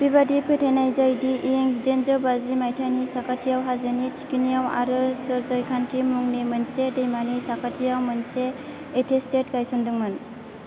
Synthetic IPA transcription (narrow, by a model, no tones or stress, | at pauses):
b̥ibadipʰetʰajnajzajdiʔieŋs̬idenzɯwbazimajtʰanisakʰatʰijawɦazenit͡ʃi̥kinijawa̰ɾɯsɔɾzɔjkʰantʰimuŋnimɯnsedejmanisakʰatʰijawmɯnseː | tʰestetkajsɔndɯŋmɯn